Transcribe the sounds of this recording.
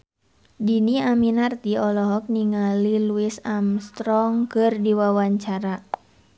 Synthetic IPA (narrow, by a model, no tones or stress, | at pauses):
diniaminart̪iɔlɔɦɔk̚niŋaliluisamst̪ɾɔŋkɨrdiwawaɲt͡ʃaɾa